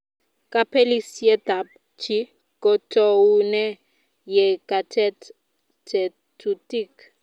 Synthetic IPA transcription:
ka˦pʰe˦li˦sje˦ta˨p̚ | t͡ʃʰi˦ | ko˨tʼounɛ˦ | je˨katʰɛ˦t | tʰɛ | tu˨ti˦k

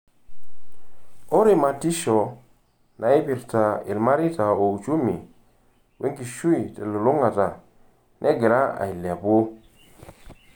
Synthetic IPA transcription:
o˦ɾi˨ma˨ti˦ʃɔ˨ | nʔa˨ɪ˦pɪ˨ɾta˨ɪ̰˨lma˦ɾɪ˦ta˨o˨u˨t͡ʃu˦mḭ˨ | wʔe˦ŋki˨ʃu˦i˨tɛ˨lo˨lʊ˦ŋa˨ta˨ | nʔɛ˦ɡɪ˨ɾa˦a̰˨ɪ˨lja˨pʊ˦

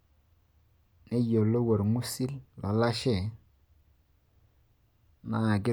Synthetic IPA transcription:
ne˦jo˨lo˦wo˨ɾŋu˦si˦lla˨la˦ʃɛ˦˨ | na˦a˨ɡɪ˦

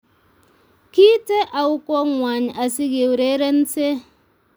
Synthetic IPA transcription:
ki˦te˦ʔa˨wu˦ko˦ŋʷa˨ɲ˨a˨si˦ɣe˨wɾe˦ɾe˦n̩˦se˦

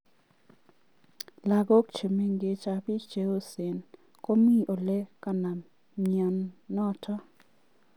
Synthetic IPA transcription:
la˨ɡɔ˦kt͡ʃe˨me˦ŋɡe˨t͡ʃa˨pɪ˦t͡ʃe˨˦o˦se˨n | ko˦mi˦ʔo˨le˦ka˨na˨m | ma˨nːɔ˦tʰa˦

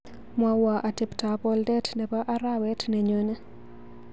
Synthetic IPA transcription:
mwa˦wa˨ʔa˨tɪ˨pta˨pɔ˦ldɛ˦tnɛ˨ba˦ʔa˦ɾa˦wɛ˦tne˨ɲo˨˦ne˦

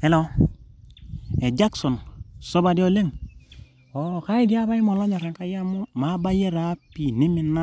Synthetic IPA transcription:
e˨lo˦ | e˨d͡ʒa˦kso˨nso˦ba˨di˦o˦le˦ŋ | o˨ka˦i˦di˦a˦ba˦i˦mo˨lo˦ɲa˨ɾe˨ŋka˦ja˦mu˦ma˨˦ba˦je˦ɾa˦pi˨ni˦mi˨nːa˦

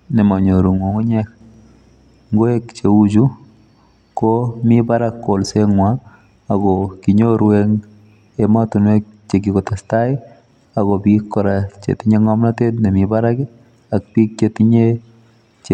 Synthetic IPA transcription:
nɛ˨ma˨ɲo˨ɾu˨ŋwo˨ŋu˦ɲɛ˦k | ŋɡo˦e˦kt͡ʃe˨u˦d͡ʒu˦ | komɪbaɾakːo˨lse˦ŋwa | a˨ɡɔki˨ɲo˦ɾwe˦ŋ | ema˦tu˨nwe˦k̚t͡ʃe˨ɡ̬i˨ko˨tasta˦ɪ˦ | a˨ɡɔ˨bi˦kːɔ˨ɾa˨t͡ʃḛ˨ti˦ɲe˦ŋɔ˦mna˦te˦tnɛ˨mi˨ba˦ɾa˦k | a˨k̚pi˦k̚t͡ʃe˨ti˦ɲe˦ | t͡ʃ

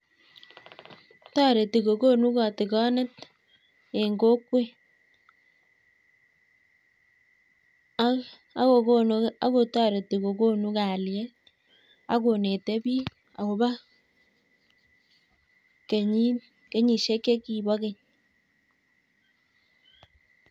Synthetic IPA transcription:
tɔ˦ɾe˨ti˨ko˨ko˦nu˦kɔ˨tɪ˨kɔ˦nɛ˦t | e˨ŋɡo˦kwe˦ | a˨˦ko˨kona˦ko˨tɔ˦ɾe˨ti˨ko˨ko˦nu˦ka˨ljɛ˦ | a̰˦ko˨ne˨te˦bi˦ | a˨ko˨ba˦ | ke˨ɲi˦ | ke˦ɲi˨ʃe˦kːe˦ki˨bɔ˦ke˨ɲ

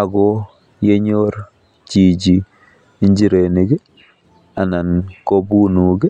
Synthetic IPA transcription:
a˨ɡɔ˦ | je˦ɲo˦ɾ | t͡ʃi˨d͡ʒi | i˦ɲd͡ʒi˦ɾe˨ni˨ɡɛ˦ | a˨na˨nko˦bu˦nu˨ɡe˦

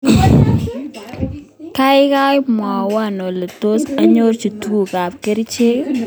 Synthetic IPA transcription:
ka˦ɪ˦ka˦jma˨wa˦˨nɔ˨le˨to˦sa˦ɲo˦ɾt͡ʃu˨tu˦ɡu˨ka˨p̚ke˦ɾt͡ʃe˦k

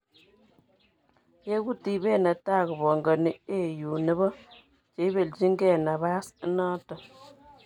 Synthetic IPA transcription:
je˦ɡu˦ti˨be˦˨na˨ta˦˨ɣə˨bɔ˨ŋɡə˨ni˨e˦˨ju˨nə˦βɔ˦ | t͡ʃe˨˦be˨ld͡ʒi˦ŋɡɛ˦˨na˨βa˦snaː˦tɔ˨

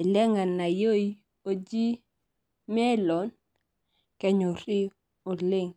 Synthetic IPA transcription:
lɛ˦ŋa˨nːa˨jo˦i | o˨d͡ʒi˦ | mɛ˦lɔ˨n | kɛ˦ɲo˨ɾi˦ | ʊ˨lɪ˦ŋ

